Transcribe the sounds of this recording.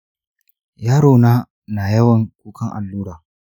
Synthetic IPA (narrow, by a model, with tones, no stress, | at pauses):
jaː˦ɽoː˨naː˦ | na˨jɐ˦wɐ˨ŋkʷuː˦kɐ˦ŋʔa̰˨lːuː˦ɾaː˨